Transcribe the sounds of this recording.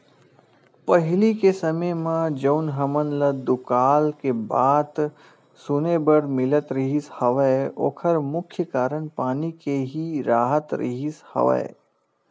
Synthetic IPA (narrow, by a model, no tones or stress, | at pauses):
pəɦɪlikesɐməmãd͡ʒoːnɦɐmənləd̪ʊkaːlkebaːd̪ | sʊnebəɽmɪlət̪ɾəɦishɐʋəo̰ːkʰəɾmʊkʰjəkaːɾənpaːnikeɦiɾaːɦət̪ɾʔə̰ɦishɐ̰ʋə̰e